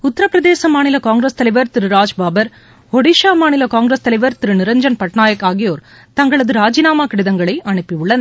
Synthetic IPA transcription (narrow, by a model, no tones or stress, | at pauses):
ʊt̪ːɐɾɐpːɪɾɐðeːsɐmaːnɪlɐkaːŋɡɾɐst̪ɐlɐɪʋɐɾt̪ɪɾɯɾaːd͡ʒbaːbɐɾ | ʋɔɽiʂaːmaːnɪlɐkaːŋɡɾɐst̪ɐlɐɪʋɐɾt̪ɪɾɯnɪɾɐɲd͡ʒɐnpɐʈnaːjɐkːaːɣɪjoːɾ | t̪ɐŋɡɐɭɐðɯɾaːd͡ʒɪnaːmaːkɪɽɪðɐŋɡɐɭɐɪʔɐɳɯpːiʊɭːɐn